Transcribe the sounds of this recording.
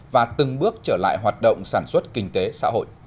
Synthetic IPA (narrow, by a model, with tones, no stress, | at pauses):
vaː˨˩t̪ɨ˨˩ŋɓɨ˦˥ək̚t͡ɕəː˧˩la̰ː˧˨jɦwaː˨˩t̚ɗə̰˧˨wŋ͡msaː˧˩nswə˦˥t̚kï˨˩ŋ̟t̪e˨˦sa̰ː˧˥ɦo̰˧˨j